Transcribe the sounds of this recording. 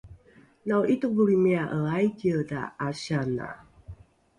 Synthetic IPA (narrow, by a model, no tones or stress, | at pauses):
nawʔituk̚buɾimiaʔəajɡiəda̰aɕana̰